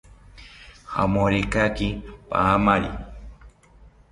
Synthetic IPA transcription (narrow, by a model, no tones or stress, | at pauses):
ha̰mõɾekakipa̰amaɾḭ